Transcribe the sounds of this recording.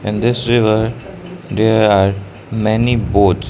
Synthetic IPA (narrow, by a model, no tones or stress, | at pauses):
ɪ̃nd̪ɪsɾɪʋəɾ | d̪eɾaːɾ | mɛniboːʈs